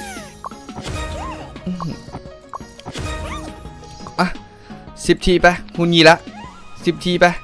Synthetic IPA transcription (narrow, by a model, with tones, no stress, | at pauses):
ʔa˧˩ | si˨˩p̚t̪ʰiː˧˩pɛ˦˧˩ku˧nɲiː˧˥la˦˥ʔsi˨˩p̚t̪ʰiː˧˩pɛ˧˩